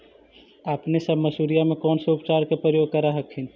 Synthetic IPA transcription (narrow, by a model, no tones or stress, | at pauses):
əpnesəbməsuɾijamekɔnsə̃upt͡ʃaɾkepɾəjoɡ̚kəɾəɦəkʰin